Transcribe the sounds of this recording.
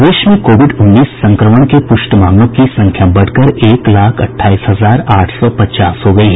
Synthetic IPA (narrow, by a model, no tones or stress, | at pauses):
d̪eːʃmẽkoːʋɪɖʊnːiːsːɐ̃ŋkɾəməɽ̃kepʊʃʈəmaːmlõkisɐ̃ŋkʰjabɐɽ̤kəɾeːklaːkʰɐ̰ʈʰːaːiːsɦɐzaːɾaːʈʰsɔpɐtt͡ʃaːsɦoɡɐiɦɛ